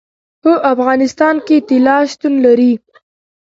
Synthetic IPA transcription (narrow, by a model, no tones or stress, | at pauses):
həʔafɣɑnɪst̪ɑnket̪ɪlɑʃt̪unlaɾi